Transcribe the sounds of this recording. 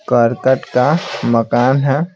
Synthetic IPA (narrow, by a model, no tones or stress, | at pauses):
kəɾkəʈkaməkaːnɦɛ